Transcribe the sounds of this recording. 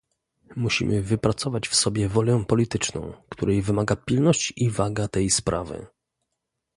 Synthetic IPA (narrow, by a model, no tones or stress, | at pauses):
muɕḭmʔɘvɘpɾat̪sɔvat͡ɕfsɔbʲjɛvɔlʲɛpɔlʲit̪ɘt͡ʂnɔ̰̃w̃kt̪uɾɛjvɘmaɡapʲilnɔɕt͡ɕivaɡat̪ɛjspɾʔa̰vɘ̰